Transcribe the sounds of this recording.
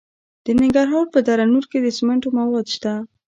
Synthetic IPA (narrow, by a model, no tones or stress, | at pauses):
d̪̥ənɪŋɡaɾɦɑɾpəd̪aɾanuɾked̪əsɪmeɳʈomawɑd̪ʃt̪a